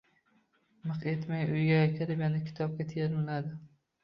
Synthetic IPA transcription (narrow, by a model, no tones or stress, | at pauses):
mɨqe̞t̪majʊjɡʲajakʲʰɪɾɪpjanɪkʲʰɪ̥t̪ʰɒb̚kʲat̪ʰieɾmɪlad̪ɪ